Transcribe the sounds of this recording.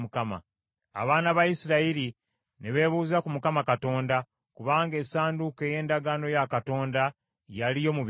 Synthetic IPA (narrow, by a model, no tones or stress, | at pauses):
ukama̰ | a̰βaːnaβajisiɾaiɾi | neβe̞ːβuːzakumukamakato̞ːnda | kuβaːŋɡe̞saːnduke̞je̞ːndaɡano̞jakato̞ːnda | jalijo̞muβ